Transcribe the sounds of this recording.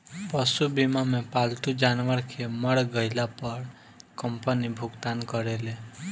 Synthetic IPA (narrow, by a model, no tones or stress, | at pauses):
pəsubimamepalt̪ud͡ʒanʋəɾkʰeməɽɡəɪlapəɾ | kəmpənibʱʊɡt̪ankəɾele